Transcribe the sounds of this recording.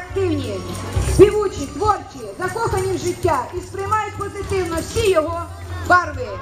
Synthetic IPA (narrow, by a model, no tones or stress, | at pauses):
kt̪ɪwnʲijɛpʲiʋut͡ʃɪt̪ʋɔrt͡ʃɪjɛzɐkɔxɐnʲiwʒɪtʲːaispɾɪmajʊt̪̚ʲpɔzɪt̪ɪwnɔwsʲijɔɦɔ | bɑrʋɪ